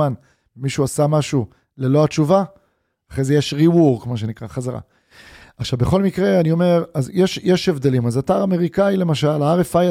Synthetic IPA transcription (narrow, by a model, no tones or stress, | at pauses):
an | miʃuasamaʃu | le̞lo̞at͡ʃuva | aχezeje̞ʃʁiwuʁkmaʃ̬e̞nikʁaχazaʁa̰ | aχʃavbeχo̞lmikʁe̞anio̞me̞ʁazjeʃjeʃevd̪e̞limazataʁame̞ʁikaile̞maʃalaaʁefaj